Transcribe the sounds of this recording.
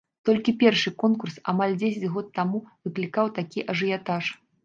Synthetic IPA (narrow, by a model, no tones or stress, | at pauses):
t̪ɔlʲkʲipʲɛrʂɨkɔnkursa̰malʲd͡zʲesʲɐt͡sʲɣɔt̪ːamuvɨklʲikawt̪akʲiʔɐʐɨjat̪aʂ